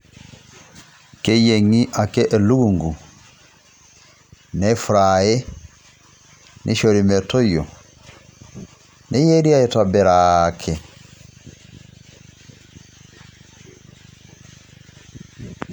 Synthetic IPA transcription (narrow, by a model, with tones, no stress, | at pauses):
ke˦je˨ŋi˦ʔa˨ke˦ʔe˨lu˦ɣu˨ŋɡu˨ | nɛ˦fu˨ɾa˨e˦ | nʔḛ˦ʃo˨ɾi˨mɛ˨to˦jo˨ | nʔe˦je˦ɾi˦a˦e˨ta˨bɛ˨ɾaː˨kʰe˨